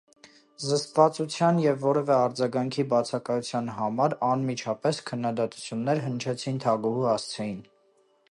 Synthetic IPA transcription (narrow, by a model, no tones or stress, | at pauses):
zəst̪vɑt͡sut͡sʰjɑnjɛvːɔɾɛvɛɑɾd͡zɑɡɑŋkʰibɑt͡sʰɑkɑjut͡sʰjɑnɦɑmɑɾɑnmit͡ʃʰɑpɛskʰənːɑd̪ɑt̪u̥t͡sʰjunːɛɾɦənt͡ʃʰɛt͡sʰint̪ʰɑɡuhuhɑst͡sʰɛjin